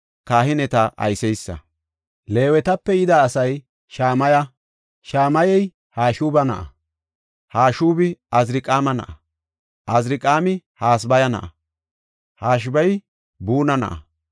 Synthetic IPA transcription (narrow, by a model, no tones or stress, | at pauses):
kaːhɪnɛt̪ɐʔɐ̰jsɛjsːɐ̰ | le̞ːwɛt̪ɐpːɛjɪd̪aːsɐj | ʃaːmɐjɐ | ʃaːmɐjɛj | haːʃuːbɐnɐ̰ʔɐ̰ | haːʃuːbɪɐzɾɪkʼaːmɐnɐ̰ʔɐ | ʔɐzɾɪkʼaːmɪhaːs̬bɐjɐnɐ̰ʔɐ | haːʃ̬bɐj | buːnɐnɐ̰ʔɐ̰